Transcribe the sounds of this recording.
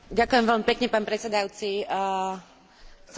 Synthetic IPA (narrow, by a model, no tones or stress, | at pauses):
ɟakuʊjɛmvɛlmipɛkɲɛpaːnpɾɛt̪t͡sɛd̪ajut͡si | s